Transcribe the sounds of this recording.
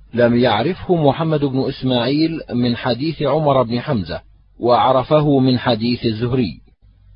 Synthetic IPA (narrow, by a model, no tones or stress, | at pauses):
lamjaʕɾɪfhʊmʊħamːad̪ʊbnʊʔɪsmaːʕiːlmɪnħad̪iːθʕʊmɑɾˤbnɪħamza̰ | waʔɑʕɾˤɑfaɦʊmɪnħad̪iːθazːʊhɾɪjː